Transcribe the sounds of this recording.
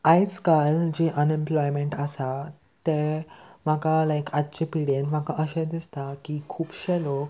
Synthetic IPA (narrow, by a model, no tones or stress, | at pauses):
ajt͡skald͡ʑeʔənẽmplɔjmẽɳʈəsa | t̪em̤akalajkatːt͡ɕepiɽenm̤akaʔəɕɛ̃d̪ist̪akikʰuːpɕɛlok